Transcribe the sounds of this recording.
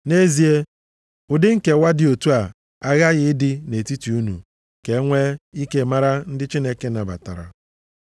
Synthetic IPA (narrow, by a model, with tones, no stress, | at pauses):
ne˦zi˨e˦ | ʊ˨dɪ˦ŋ̩˦ke˨wa˦dɪ˨o˨tu˦a˨ | a˦ɣa˦ɣɪ˨ɪ˦dɪ˦ne˨ti˦ti˨u˦nṵ˨ | ke˨˦ŋʷe˦i˦ke˦ma˦ɾa˦n̩˦dɪ˦t͡ʃi˦ne˨ke˦na˨ba̰˨ta˨ɾa̰˨